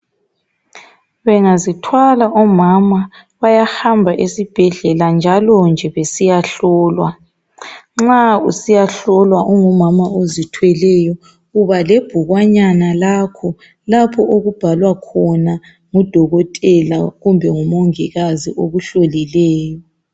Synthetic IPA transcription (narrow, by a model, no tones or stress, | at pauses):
βɛŋazitʰwalaʔɔmama | βajahambʱaʔesib̥ʱɛɮɛland͡ʒʱalɔnd͡ʒʱɛβesijaɬɔːlwa | ŋ͡ǁausijaɬɔlwaʔuŋumamaozitʰwɛlɛjɔ | ɣuβaleb̥ʱuɣwaɲanalakʰɔ | lapʰɔʔoɣub̥ʱalwakʰɔna | ŋud̥ʱɔɣɔtʼɛla̰ɣumbʱɛŋumoŋiɣazḭʔoɣuɬolilɛːjɔ